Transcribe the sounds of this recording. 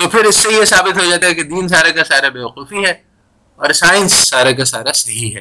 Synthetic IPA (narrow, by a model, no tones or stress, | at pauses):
t̪opʰɪɾɪsːejesaːbɪt̪ɦod͡ʒaːt̪aɦɛked̪iːns̬aːɾakasaːɾabeːʋɐquːfiɦɛː | ɔːɾsaːɪ̃nsːaːɾak̬asaːɾasɐɦiɦɛ̰ː